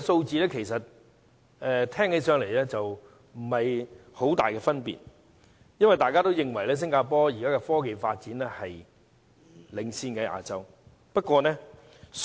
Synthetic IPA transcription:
so˧wt͡siː˨˧lɛː˥kʰe˨˩jsɐ˨t̚ | ɛ˨˧t̪ʰɛː˥ŋhe˨˧˥sœː˨˧ŋle˨˩jlɛː˥t͡sɐ˨w | m̩˨˩hɐ˨jho˨˥wt̪a̰ː˨jkɛ˧fɐ˥npḭː˨˩t̚ | jɐ˥nwɐ˨˩jt̪aː˨jkaː˥t̪o˥wjɪ˨ŋwɐ˨˩jlɛː˥s̬ɪ˥ŋkaː˧pɔː˥jiː˨˩kaː˥kɛ˧fɔː˥k̬e˨jfaː˧t̚t͡siː˨˥nlɛ˥hɐ˨j | lɪ˨˧ŋsiː˧nkɛ˧˥ʔa̰ː˧t͡sɐ˥w | pɐ˥t̚kʷːɔː˧nɛ˥

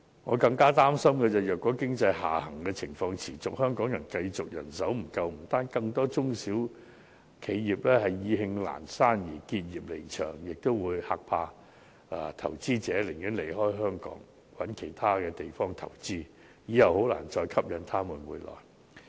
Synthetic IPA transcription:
ŋɔː˨˧kɐ˧ŋkaː˥t̪aː˥msɐ˥mkɛ˧t͡sɐ˨˩wjœː˨kːɔː˨˥kɪ˥ŋt͡sɐ˧jɦa̰ː˨˩hɐ˨˩ŋkɛː˧t͡sʰɪ˨˩ŋfɔː˧ŋt͡sʰiː˨˩t͡sʊ˨k̚hœː˥ŋkɔː˨˥ŋjɐ˨˩nkɐ˧jt͡sʊ˨k̚jɐ̰˨˩nsɐ˨˥wm̩˨˩kɐ˧wm̩˨˩t̪aː˥nkɐ˧ŋt̪ɔː˥t͡sʊ˥ŋsiː˨˥w | kʰe˨˧jːiː˨˩p̚lɛː˥hɐ˨jːiː˧ɦɪ˧ŋla̰ː˨˩nsaː˥njiː˨˩kiː˧t̚jiː˨p̚le˨˩jt͡ʃʰœ̰ː˨˩ŋjɪ˨k̚t̪o˥wwuː˨˧jhaː˧k̚pʰaː˧ | ʔa˨˧t̪ʰɐ̰˨˩wt͡siː˥t͡sɛː˨˥lɪ˨˩ŋji˨˥nle˨˩jɦɔː˥jɦœː˥ŋkɔ̰ː˨˥ŋ | wɐ˨˥nkʰe˨˩jt̪ʰaː˥kɛː˧t̪e˨jfɔː˥ŋt̪ʰɐ˨˩wt͡siː˥ | jiː˨˥jɐ˨who˨˥wla̰ː˨˩nt͡ʃɔː˧jkʰɐ˥p̚jɐ˨˥nt̪ʰaː˥muː˨˩nmuː˨˧jlɔ̰ː˨˩j

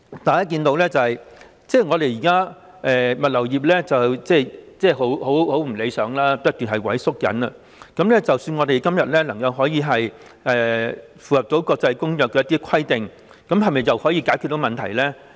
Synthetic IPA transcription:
t̪aː˨jaː˥k̬iː˧nt̪o˧wlɛː˥t͡sɐ˨hɐ˨j | t͡sɛː˥ŋɔː˨˧ɾe˨jjiː˨˩kaː˥ | ʔɛː˨˩mɐ˨t̚lɐ˨˩wjiː˨p̬̚lɛː˥t͡sɐ˨wt͡sɛː˥˩t͡sɛː˥˩ɦo˨˥who˨˥who˨˥wm̩˨˩le˨˧jsœː˨˥ŋlaː˥pɐ˥t̚t̪yː˨nɦɐ˨jwɐ˨˥jsʊ˥k̚jɐ̰˨˥nɐ˧ | kɐ˨˧˥mlɛː˥t͡sɐ˨wsyː˧nŋɔː˨˧d̪e˨jkɐ˥mjɐ˨t̚lɛː˥lɐ˨˩ŋkɐ˨˧wɦɔː˨˥jiː˨˧ɦɐ˨j | ʔɛː˨ | fuː˨˩hɐ˨p̚t̪o˨˥wkɔː˧k̚t͡sɐ˧jkʊ˥ŋjœː˨kɛː˧˦jɐ˥t̪iː˥kʰɐ˥jt̪ɪ˨ŋ | kɐ˨˥mhɐ˨jmɐ˨jt͡sɐ˨whɔː˨˥jiː˧kaː˨˥jkʰy˨˧t̪o˨˥wmɐ˨nt̪ʰɐ˨˩jlɛː˥

